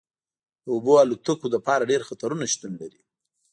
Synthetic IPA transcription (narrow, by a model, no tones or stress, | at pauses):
d̪əoboalut̪akod̪əpɑɾaɖeɾxat̪aɾunaʃt̪unlaɾi